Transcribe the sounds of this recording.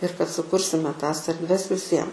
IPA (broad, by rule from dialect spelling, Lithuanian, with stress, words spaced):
ɪr kɐt sʊˈkʊrʲsʲɪmʲɛ ˈtɐs ɛrʲdʲˈʋʲɛs ʋʲɪˈsʲiɛm